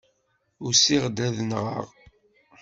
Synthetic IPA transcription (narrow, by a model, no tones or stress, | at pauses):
ʊɾsiʁd̪æðənʁə̰ʁ